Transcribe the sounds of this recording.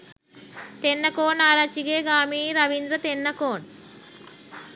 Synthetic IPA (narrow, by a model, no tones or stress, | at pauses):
t̪enːɐkoːnaːɾat͡ʃiɡeːɡaːmiːɾɐʋind̪ɾɐt̪enːɐkoːɳ